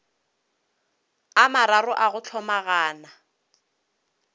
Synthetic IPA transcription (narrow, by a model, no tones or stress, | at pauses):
amaɾarʊʔaɣʊt͡ɬʰɔmaɣaːna